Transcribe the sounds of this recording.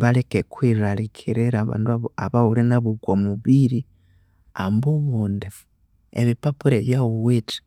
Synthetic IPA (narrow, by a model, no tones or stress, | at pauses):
βalekekwiɾaɾikʰiɾeɾaβa̰ːnduaa̰βaulinaβuɡwomuβiɾi | ambuβuːndef | ḛβipapuɾeβjawuweti̥